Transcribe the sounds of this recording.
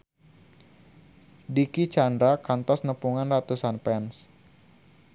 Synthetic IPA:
dikit͡ʃandɾakant̪ɔsnəpuŋanrat̪usanpɛns

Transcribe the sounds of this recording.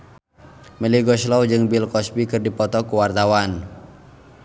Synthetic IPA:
məliɡɔʃlɔwd͡ʒɨŋbilkɔsbikɨrdipɔt̪ɔkuwart̪awan

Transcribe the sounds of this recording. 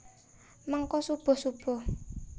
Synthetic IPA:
maŋkɔsub̥ɔ̤sub̥ɔ̤

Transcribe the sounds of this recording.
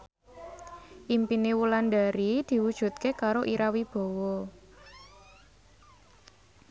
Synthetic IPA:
ʔimpinewuland̪aɾid̪̥i̤wud̥ʒ̥ṳt̪̚kekaɾoʔiɾawib̥o̤wɔ

